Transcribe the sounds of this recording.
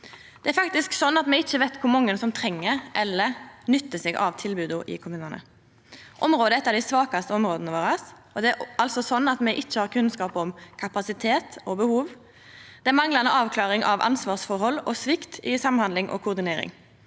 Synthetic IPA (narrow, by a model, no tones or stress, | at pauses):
d̪̥ɛæɾfɑkt̪ɪsksɔnːɑt̪mɛɪt͡ʃːəʋɛɪt̪kʰʊmɔŋːənsɔmt̪ʰɾɛŋːəɾʔɛlːənʏt̪ːəsɛɡɑ̰ʋt̪ʰɪlbʉːd̪ʊʔɪ̰kʰʊmʉːnɑnə̰ | ʔɔmɾoːd̪əɛt̪ːɑd̪æɪsʋɑːkɑst̪əɔmɾoːd̪nəʋoːɾɑsɔd̪ɛæɑlsɔsɔnːɑt̪mɛʔɪt͡ʃːəhɑːʁkʰʉnskɑːpɔmkʰɑpɑsɪt̪ʰeːt̪ɔbəhuːʋ | d̪̥ɛæmɑŋlɑnəɑːʋkʰlɑːʁɪŋʔɑ̰ʋʔɑ̰nsʋɑːʁsfɔɾhɔlːɔsʋɪkt̪ɪsɑmnhɑnd̪lɪŋʔɔ̰kʰʊʁd̪ɪneːɾɪ̰ŋ